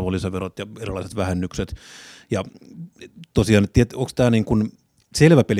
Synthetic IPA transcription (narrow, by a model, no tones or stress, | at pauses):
ʋolːisetʋerot̪jɑerilːˑɑˑise̥t̪ʋæhænːykset̪jɑ | t̪osiɑːnet̪t̪ːiet̪okst̪æːniːŋkun | selʋæpel